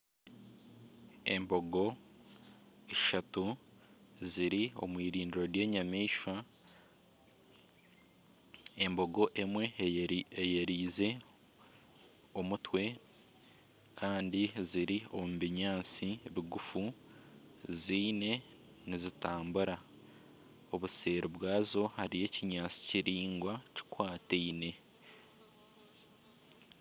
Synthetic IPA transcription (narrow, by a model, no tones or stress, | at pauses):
e̞̰mbo̞ɡo̞ | eʃatu | ziɾio̞̰mwiːɾiːndiɾo̞ɾje̞ːɲamiːʃwa | embo̞ɡo̞ʔemwe̞ejeɾiːze̞ | omutwe̞ | kʰaːndiziɾio̞muβiɲaːt͡siβiɡufu | ziːne̞ | nizitaːmbuɾa | o̞βuse̞ːɾiβwaːzo̞haɾije̞ːciɲaːt͡si̥ciɾiːŋɡwaci̥kwaːteine̞